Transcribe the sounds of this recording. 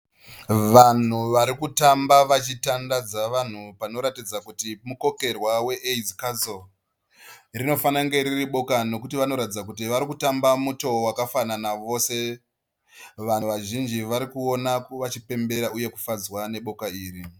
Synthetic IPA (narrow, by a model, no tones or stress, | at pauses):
ʋan̤uʋaɾikutambaʋat͡ʃitandad͡zaʋan̤upano̞ɾatid͡zakutimuko̞ke̞rwawe̞ʔeizikazo | rino̞fanaŋɡe̞ɾiriɓo̞kano̞kutiʋano̞ɾatid͡zak̬utiʋaɾikutambamuto̞wakafananaʋo̞se̞ | ʋanʋaʒind͡ʒiʋaɾikuo̞nakoʋat͡ʃipe̞mbe̞ɾauje̞ku̥fad͡zwane̞ɓo̞kaiːri